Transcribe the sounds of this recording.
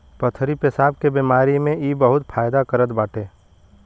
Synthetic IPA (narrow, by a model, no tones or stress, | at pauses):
pət̪ʰɾipesaːb̚kebiːmaːɾimẽiːbəɦʊt̪pʰaːjd̪akəɾət̪baːʈeː